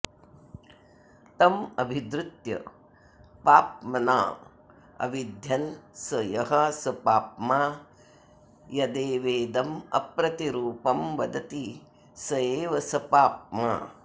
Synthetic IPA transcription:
t̪ɐmɐbʱid̪ɾut̪jɐ̰ | paːpmɐna̰ː | ɐ̰ʋid̪ʱjɐnsɐjɐɦɐsɐpaːp̚maː | jɐd̪eːʋeːd̪ɐmɐ̰pɾɐt̪iɾuːpɐmʋɐd̪ɐt̪i | sɐeːʋɐsɐpaːp̚ma̰ː

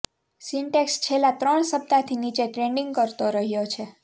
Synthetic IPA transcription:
siɳʈekst͡ʃʰelːãt̪ɾəɳsəp̚t̪at̪ʰinit͡ʃeʈɾeɳɖĩŋɡ̚kəɾt̪oɾəɦjot͡ʃʰe

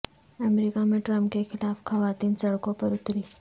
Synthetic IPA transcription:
əmɾikamẽʈɾə̃mpkexɪlaːfxɐʋaːt̪iːnsɐɽkõpɐɾʊt̪ɾiː

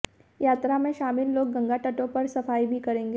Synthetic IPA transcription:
jaːt̪ɾamẽʃaːmɪlːoːɡːɐ̃ŋɡaʈɐʈõpɐɾsɐfaːibʱikɐɾẽːŋɡe

